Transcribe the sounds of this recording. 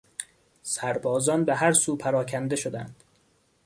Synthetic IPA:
sæɾbɒːzɒːnbeɦæɾsuːpʰæɾɒːcʲʰænd̪e̞ʃod̪æ̰nd̪̥

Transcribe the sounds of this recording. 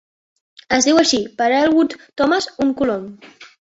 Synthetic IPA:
əzðiwəʃipəɾalˠɣut̪t̪ɔmazuŋkulom

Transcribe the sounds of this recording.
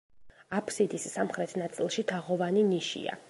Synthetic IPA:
apʰsid̪isːamχɾɛt̪ʰnat̪sʼilˠʃit̪ʰaʁɔvaniniʃḭa̰

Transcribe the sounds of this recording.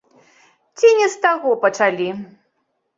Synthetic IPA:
t͡sʲinʲɛst̪aɣɔpɐt͡ʂalʲi

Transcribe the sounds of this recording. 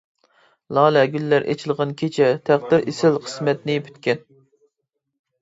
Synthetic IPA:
lˠɑːlɛɡʲylːæɾʔḛt͡ʃʰilˠʁɑnkʲʰet͡ʃʰɛt̪ʰæχd̪ɪɾʔesɪlqʰə̥smɛt̪nɪpʰy̥t̪kʲɛn

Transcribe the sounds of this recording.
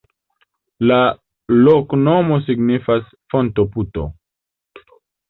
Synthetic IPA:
la | lokno̞mo̞s̬iɡnifas | fontoputo̰

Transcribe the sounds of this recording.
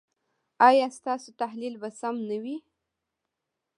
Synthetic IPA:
ɑjɑst̪ɑsot̪aɦlilbasamnawi

